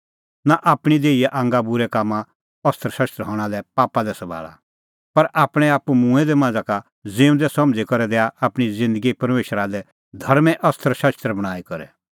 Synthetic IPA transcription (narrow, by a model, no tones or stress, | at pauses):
naʔaːpɽ̃id̪eːiɛʔãːŋɡabʊɾɛkaːmːã | ɐst̪ʰəɾʃɐʃt̪ɾɦɔ̃ːɽ̃alɛpaːpad̪ɛsɐbʱa̰ːɭa̰ | pɐɾʔaːpɽ̃ɛaːpumũːɛd̪ɛmãːd͡zaka | d͡zẽːũnd̪ɛsɐmd͡zikɔɾɛd̪ɛːaaːpɽ̃izɪ̃nd̪əɡipɐɾmeːʃəɾadɛ | d̪ʱɐɾmɛʔɐst̪ʰəɾʃɐst̪ɾbɐɽ̃aːikɔɾɛ̰